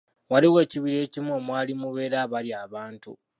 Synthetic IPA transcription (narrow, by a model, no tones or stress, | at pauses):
waliwe̞ːciβiɾe̞ːcimomwaːlimuβe̞ːɾaβaliaːβaːntṵ